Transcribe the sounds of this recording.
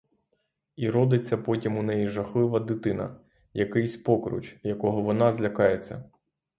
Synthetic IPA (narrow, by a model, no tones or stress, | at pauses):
iɾɔd̪ɪt͡sʲːɐpɔtʲimʊnɛjiʒɐxlˠɪʋɐd̪ɪt̪ɪnɐ̰ | jɐkɪjsʲpɔkɾʊ̰t͡ʃjɐkɔɦɔʋɔnɑzlʲɐkɑjet͡sʲːɐ̰